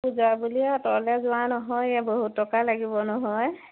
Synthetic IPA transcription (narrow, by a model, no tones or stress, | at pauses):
puzabulijatɔlɛzʊwanɔɦɔjaboɦutːɔkalaɡibɔnɔɦɔj